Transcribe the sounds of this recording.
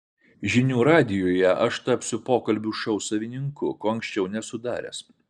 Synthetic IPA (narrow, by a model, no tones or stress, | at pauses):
ʒʲɪnʲuːɾɑːd̪ʲɪjoːjɛʔɐʃt̪ɐpʲsʲʊpoːkɐlʲbʲuːʃɐʊsɐʋʲɪnʲɪŋkʊkoːɐŋksʲt͡ʃʲɛʊnʲɛsʊd̪ɑːɾʲɛ̰ːs